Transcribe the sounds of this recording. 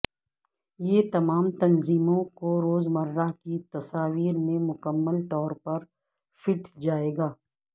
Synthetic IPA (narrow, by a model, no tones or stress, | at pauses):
jeːt̪ɐmaːmt̪ɐnziːmõkoɾoːzmɐɾːakit̪ɐsaːwiːɾmẽmʊkəmːəlt̪ɔːɾpɐɾ | fɪʈʰd͡ʒaːeːɡaː